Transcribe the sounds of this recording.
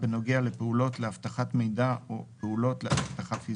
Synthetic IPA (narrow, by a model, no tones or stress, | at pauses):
beno̞ɡeale̞peulo̞tle̞aft̪aχatme̞jdaopeulo̞tleaft̪aχatfi